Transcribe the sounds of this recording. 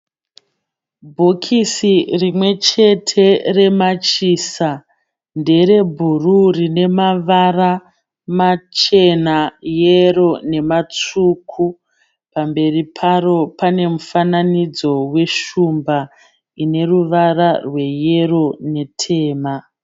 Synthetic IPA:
bʱokʰisirimwe̞t͡ʃe̞tʰe̞re̞mat͡ʃiːsa | nde̞ɾe̞bʱururine̞maʋara | mat͡ʃe̞najero̞ne̞mat͡ʂukʰu | pambe̞ripʰaro̞pane̞mufananid͡zo̞we̞ʃumba | ine̞ruʋararwe̞je̞ro̞ne̞tʰe̞ːma

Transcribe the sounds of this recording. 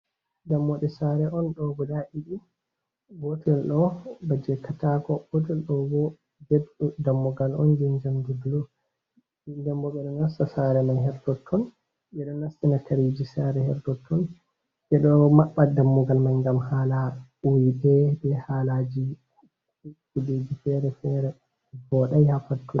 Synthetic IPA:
damːɔɗɛsaɾɛʔɔnɗɔɡɔdaʔiɗi | bɔtʰɛlɗɔbad͡ʒɛkatakɔbɔtɛlɗɔɡɔ | d͡ʒɛdɗɔdamːɔɡalɔ̰nd͡ʒind͡ʒamdiblɔ | dɛmbɔɓɛɗɔnasasaɾɛmajɦɛɾtɔtʰːɔn | ɓɛɗɔnastinakaɾid͡ʒisaɾɛhɛɾtɔtʰːɔn | ɓɛɗɔmaɓːadamːɔɡalmajŋɡamhalaujɗɛbɛhaːlad͡ʒi | kuded͡ʒifɛɾɛfɛɾɛ | bɔɗajhafatːu

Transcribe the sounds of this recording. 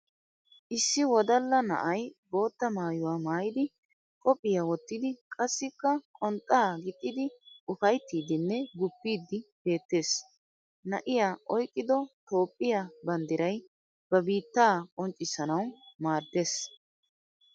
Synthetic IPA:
ʔɪsːɪwɔd̪ɐlːɐnɐ̰ʔɐjbo̞ːt̪ːɐmaːjʊwaːmaːjɪd̪ɪ | kʼɔpʼːɪjawɔt̪ːɪd̪ɪkʼɐsːɪkːɐkʼɔnt̪ʼːaːɡɪt̪ʼːɪd̪ɪʊfɐjt̪ːiːd̪ɪnːɛɡʊpːiːd̪ːɪb̥e̞ːt̪ːe̞ːs | nɐʔɪjaːʔɔjkʼːɪd̪ɔt̪o̞ːpʼːɪjabɐnd̪ɪɾɐj | b̥ɐbiːt̪ːaːkʼɔnt͡ʃʼːɪsɐnɐwmaːɾd̪ːe̞ːs

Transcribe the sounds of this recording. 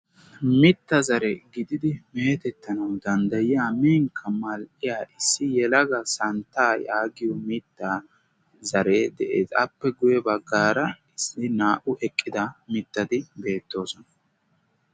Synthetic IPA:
mɪt̪ːɐzɐɾɛɡɪd̪ɪd̪ɪme̞ːt̪ɛt̪ːɐnɐwd̪ɐnd̪ɐjɪjaːmeːŋkʰːɐmɐlʔɪjaːʔɪsːɪjɛlɐɡɐsɐnt̪ːaːjaːɡɪjɔmɪt̪ːa | zɐɾed̪ɛʔḛːzɐ̰pːɛɡʊjɛbɐɡːaːɾɐ | ɪsːɪnaːʔʊʔɛkʼːɪd̪ɐmɪt̪ːɐd̪ɪbe̞ːt̪ːo̞ːsɔnɐ

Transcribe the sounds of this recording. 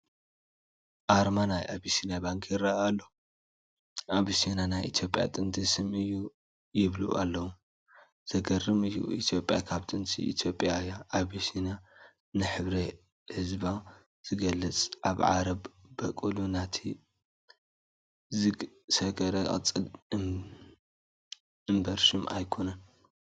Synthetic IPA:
ʔaɾmanajʔaβisinabaŋkʰjɪɾɐʔalːo | ʔaβisinanajʔḭt̪ʰjo̞pʼja̰t̪ʼɨnt̪ʰisɨmɨjːu | jɪβlṵʔa̰lːɐwu | z̥ɐɡɐrɨmɨjːṵʔit̪ʰjo̞pʼja̰kʰaβt̪ʼɨnt̪ʰḭḭt̪ʰjo̞pʼjajaʔaβisina | nɨħɨβɾɐ | hɨzba | z̥ɨɡɐlːɨt͡sʼʔaβʕa̰ɾɐbb̥ɐkʼulunat̪ʰi | zɨ | sɐɡɐɾɐʔʼɐ̰t͡sʼːɨl | ɨmbɐɾʃuma̰jkʰo̞nɐn

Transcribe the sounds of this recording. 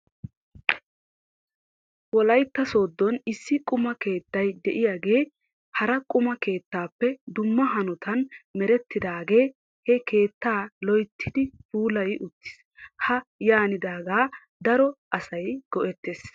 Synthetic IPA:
wɔlɐjt̪ːɐso̞ːd̪ːɔnɪsːɪkʼʊmɐke̞ːt̪ːɐjd̪ɛʔɪjaːɡe̞ː | hɐɾɐkʼʊmɐke̞ːt̪ːaːpːɛd̪ʊmːɐɦɐnɔt̪ʰɐnmɛɾɛt̪ːɪd̪aːɡe̞ː | hɛke̞ːt̪ːaːlɔjt̪ʰːɪd̪ɪfuːlɐjʔʊt̪ːɪ̥s | hɐjaːnɪd̪aːɡaː | d̪ɐɾɔɐsɐjɡ̥ɔʔɛt̪ːeːs

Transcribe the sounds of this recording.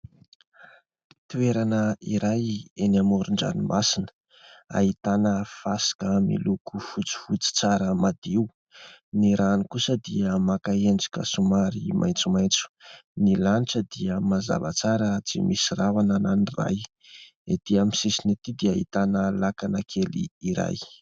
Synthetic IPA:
t̪ueɾanəiɾajenamoɾuɳɖ͡ʐa̰nimʔasinə̥ | a̰it̪anəfasi̥kəmḭlukufut͡si̥fut͡si̥t͡saɾəmad̪iu | niɾanikusəd̪iəmakaend͡zḁkəsumaɾimʔa̰jnt͡sumajnt͡su̥nilaniʈ͡ʂəd̪iəmaza̰va̰t͡saɾət͡sḭmisirawanananira̰j | et̪iəmisisinet̪id̪iaɦḭt̪anəlakanəkʰelḭiɾa̰j

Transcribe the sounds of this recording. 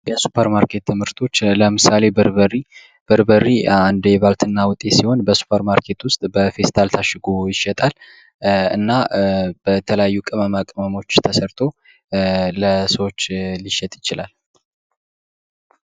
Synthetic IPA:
jəsu̥pʰəɾmaɾkʰe̞t̪ːɨmhɨɾt̪ʰo̞t͡ʃːləmɨsale̞bəɾbəri | b̥əɾbərːiand̪jɛβalt̪ʰɨnːawʊt̪ʼe̞siho̞nbəsu̥pʰəɾmaɾkʰe̞t̪wʊst̪ʼbəfe̞st̪ʰalt̪ʰaʃɪɡojɪʃɛt̪ʼal | ɨ̰nːab̥ət̪ʰələjajːukʼɨməmakʼɨməmo̞t͡ʃːt̪ʰəsəɾt̪ʰo̞ | ləsəwo̞t͡ʃːliʃːɛt̪ʼjɪt͡ʃɪla̰l

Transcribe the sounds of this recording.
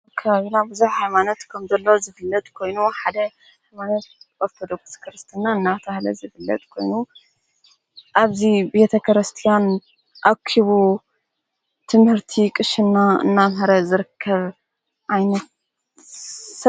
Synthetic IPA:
kʰːɐβaβinabɨzuħhajmanot̪kʰɐmzɐlːo̞zɨfɨlːɐt̪ʼkʰo̞jnuħad̪ɐ | hajmanot̪̚ʔoɾt̪ʰod̪o̞kskʰɨɾɨst̪ʰinaɨnːat̪ʰahlɐ̰zɨfɨlːɐ̰t̪ʼkʰo̞̰jnu | ʔaβzibet̪ʰɐkʰɨɾɨst̪ʰijan | ʔakʰːiβu | t̪ʰɨmhɨɾt̪ʰikʼɨʃɨnːaɨ̰nːamɦɐɾɐzɨɾɨkʰːɐβ | ʔajnɐt̪ | s

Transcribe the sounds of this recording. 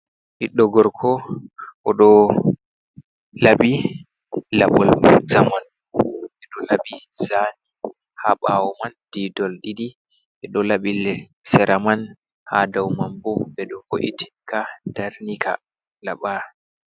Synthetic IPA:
ʔiɗːɔɡɔɾkʰɔʔɔɗɔ | laɓi | laɓɔlzaman | ɛɗɔlaɓi | zani | haɓawɔmand̥idɔlɗiɗi | ʔɛɗɔlaɓilɛ | sɛɾʔaman | hadawmambɔbɛɗɔvoʔitɛ̥kad̥aɾnikʰa̰ | laɓa

